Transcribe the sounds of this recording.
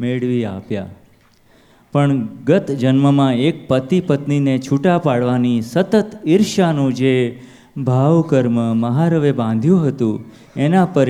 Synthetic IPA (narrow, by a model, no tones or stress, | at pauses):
meɭʋia̰pja̰ | pəɳɡət̪d͡ʒənməmãek̚pət̪ipət̪ninet͡ʃʰuʈapaɽʋanisət̪ət̪iɾʃanũd͡ʒe | bʱaʋkəɾməməɦaɾəʋebãnd̪ʱjũɦət̪ũ | enapəɾ